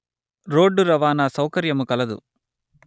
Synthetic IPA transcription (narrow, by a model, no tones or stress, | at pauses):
ɾoːɖːuɾɐʋaːnɐsɐwkɐɾjɐmukɐlɐd̪ṵ